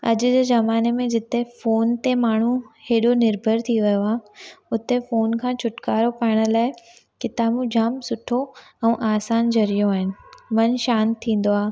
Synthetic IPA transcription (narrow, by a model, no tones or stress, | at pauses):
ɐd͡ʑʊd͡ʑeːzɐmaːnemẽd͡ʑɪt̪efoːnt̪emaːɳ̤uheːɗonɪɾbʱəɾt̪ʰiʋɐjoaːʊt̪efoːnkʰãːt͡ɕʰʊʈkaːɾopaːɪɽ̃ə̆laːɪ | kɪt̪aːmũd͡ʑʱaːmsʊʈʰo | ɛ̃ːʔaːsaːnd͡ʑɐɾijoaːɦɪnɪ̆mɐnʃaːnt̪ʰːĩːn̆d̪oaː